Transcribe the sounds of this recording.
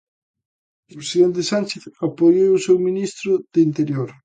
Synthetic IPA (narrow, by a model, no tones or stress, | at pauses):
pɾesiðent̪esanʲt͡ʃeθapojowʊsewminist̪ɾʊðɪint̪eɾjoɾ